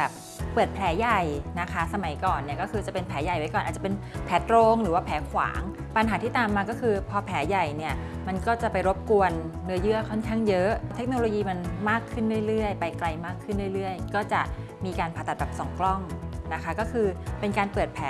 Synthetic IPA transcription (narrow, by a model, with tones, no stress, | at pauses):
ɛː˨˩p̚ː | ɤː˨˩t̪̚pʰlɛː˩˦ja˨˩jna˦˥kʰa˦˥sa˧ma˨˩˦jkɔː˨˩nːi˥˩ɐkɔː˥˩kʰɯː˧t͡ɕa˨˩pe˧npʰɛː˩˦ja˨˩jwa˦jkɔː˨nʔːt̪̚t͡ɕa˨pe˧npʰɛː˩˦˥t̪ɾoː˧ŋɾɯː˩˦waː˥˩pʰɛː˨˩˦kʰwa̰ː˩˦ŋ | pa˧nɦaː˩˦iː˥˩t̪aː˨mːaː˧kɔː˥˩kʰɯː˧pʰɔː˧pʰɛː˩˦ja˨˩jni˥˩ɐ | ma˧nkɔː˥˩t͡ɕa˨˩pa˧jɾo˦˥p̚ku˧ənː | ɯ˦˥ɐjɯ˦˥˩ɐkʰɔ˥˩nkʰaː˥˩ŋjɤ˦˥ʔt̪ʰe˦˥k̚noː˧loː˧jiː˧ma˧nmaː˥˩kʰːɯ˥˩nɾɯ˥˩əjɾɯ˥˩əjpa˧jkla˧jmaː˥˩kʰːɯ˥˩nɾɯ˥˩əjɾɯ˥˩əjkɔː˥˩t͡ɕa˨˩ʔ | miː˧kaː˧npʰa˨˩t̪a˨˩t̚bɛː˨˩sɔ˨˩˦ŋklɔ˥˩ŋna˦˥kʰa˦˥kɔː˥˩kʰɯː˧pe˧nkaː˧npɤː˨˩t̪̚pʰɛː˨˦